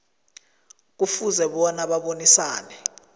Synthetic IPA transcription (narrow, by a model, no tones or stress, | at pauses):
k̬ufuzɛɓɔnaɓaɓonisaːnɛ